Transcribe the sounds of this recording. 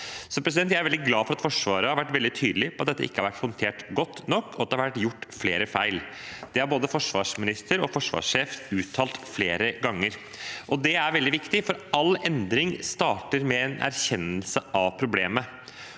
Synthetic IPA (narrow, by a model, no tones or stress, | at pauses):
sɔpɾɛs̬ɪdɛnt̪̬jæɪæɾɛld̪ɪɡlɑːfɔɾɑt̪fɔʂʋɑːɾəhɑɾʋæʈːʋɛld̪ɪt̪ʰyːd̪əlɪpɔɑt̪d̪ɛt̪ːəɪkəhɑɾʋæʈhɔnt̪ʰeːʈɡɔt̪ːnɔkːɔɑt̪̚ɛhɑɾʋæʈːjʊʈːfleːɾəfæɪld̪̥ɛhɑɾboːd̪əfɔʂʋɑ̰ːʂmɪnɪst̪əɾɔfɔʂʋɑ̰ːʂːeːfʉːt̪ʰːɑːlt̪fleːɾəɡɑŋːəɾ | ʔɔd̪ɛæɾʋɛld̪ɪʋɪkt̪ɪfɔɾɑlːɛnd̪ɾɪŋst̪ɑːʈəɾmɛɛnʔæ̰ɾçɛnːəlsəʔɑʋpʰɾʊbleːmə